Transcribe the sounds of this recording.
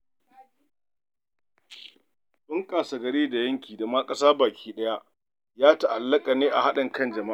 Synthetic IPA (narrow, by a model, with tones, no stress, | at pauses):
ɗʊ˦ŋkaː˨sa˨ɡɐ˨ɽeː˦da˨jɐ˦ŋkʲiː˨da˨maː˦kʼɐ˦saː˦baː˨kʲʰiː˦ɗɐ˦ja˦ | jaː˦ta˨ʔa˨lːɐ˦kʼa˨neː˦ʔa˨ha˦ɗɪ˨ŋkɐ˦nd͡ʒɐ˨ma˦